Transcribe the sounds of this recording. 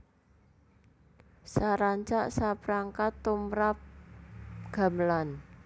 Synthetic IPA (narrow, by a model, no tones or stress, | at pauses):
saɾaɲt͡ʃaʔsapɾaŋkat̪ːumɾap̚ | ɡ̥a̤məlan